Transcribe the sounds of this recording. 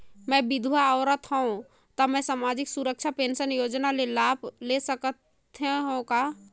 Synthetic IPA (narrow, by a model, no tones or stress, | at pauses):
mɛ̃bid̪ʱwaəɾət̪ɦə̃ũ | t̪əmɛ̃samad͡ʒiksuɾək̚t͡ʃʰapensənjod͡ʒnalelabʱlesəkət̪ | ɦeɦõka